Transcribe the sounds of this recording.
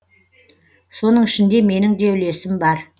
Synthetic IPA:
so̞nəɴɪʃɪnd̪e̞me̞nɪŋd̪ewle̞sɪmbɑɾ

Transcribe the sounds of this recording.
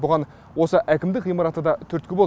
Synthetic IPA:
bʊʁɑn | wo̞səʔækʲɪmd̪ɪkʁijmɑɾɑt̪əd̪ɑt̪ʰʏɾt̪̚kʲɪbo

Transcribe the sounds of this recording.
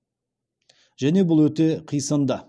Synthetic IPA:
ʒæne̞bʊlˠwɵt̪eqʰijsɑnd̪ɑ

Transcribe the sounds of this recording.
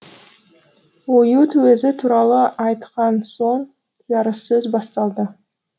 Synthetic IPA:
wojut̪ʰʉwezɪt̪ʰuɾɑlˠəʔɑjt̪qɑnso̞ɴ | t̪ʰijɑɾəsɵzbɑst̪ɑlˠd̪ə

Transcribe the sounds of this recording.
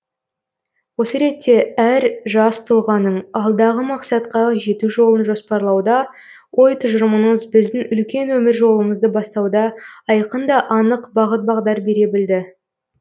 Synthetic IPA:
wo̞səɾe̞t̪ːe̞æɾʒɑst̪ʰʊlˠʁɑnːəɴɑlˠd̪ɑʁəmɑqsɑt̪qɑʒe̞t̪uʒo̞lˠənʒo̞spɑɾlˠɑwd̪ɑ | wʔo̞jt̪ʰʊʒəɾəməɴəzbɪzd̪ɪŋʏlkʲe̞nwɵmɪɾʒo̞lˠəməzd̪əbɑst̪ɑwd̪ɑɑjqənd̪ɑʔɑnəqbɑʁət̪̚bɑʁd̪ɑɾbe̞ɾe̞bɪld̪ɪ

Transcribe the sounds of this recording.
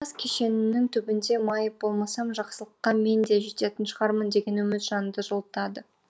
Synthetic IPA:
ɑskʲʰe̞ʃe̞nɪnːɪŋt̪ʰʏbɪnd̪e̞mɑjəp̚bo̞lˠmɑsɑmʒɑqsəlˠəqːɑme̞nd̪eʒet̪et̪ɪnʃəʁɑɾmənd̪e̞ɡʲe̞nwɵmɪt̪ʒɑnənd̪əʒolˠt̪ɑd̪ə

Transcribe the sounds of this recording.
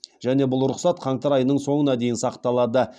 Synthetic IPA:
ʒ̥æne̞bʊlˠɾʊqsɑt̪qʰɑɴt̪ɑɾɑjənəɴso̞ɴənɑd̪e̞jɪnsɑqt̪ɑlˠɑd̪ə

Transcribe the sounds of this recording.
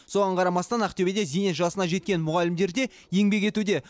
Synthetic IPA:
so̞ʁɑɴqʰɑɾɑmɑst̪ɑnæqt̪ewed̪e̞zijneʒɑsənɑʒe̞t̪̚kʲe̞nmʊʁɑlɪmd̪e̞ɾd̪e̞ | je̞ŋbe̞k̬ʲe̞t̪ud̪e̞

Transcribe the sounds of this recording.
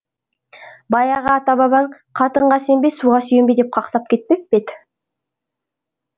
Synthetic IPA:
bɑjɑʁɑːt̪ɑbɑβɑɴ | qʰɑt̪əɴʁɑse̞mbesuʁɑsʏjembed̪ep̚qʰɑqsɑp̚kʲʰe̞t̪̚peb̥et̪

